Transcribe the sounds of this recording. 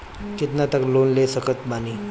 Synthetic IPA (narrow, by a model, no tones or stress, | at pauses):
kit̪nat̪əklonlesəkət̪bani